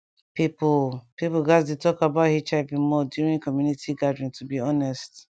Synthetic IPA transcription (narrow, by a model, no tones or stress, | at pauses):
pipupipuɡasdetɔkabaʊthit͡ʃaɪpĩnmɔdjuɹĩŋkɔmjunitʰiɡadɹĩntʰubiɔnɛst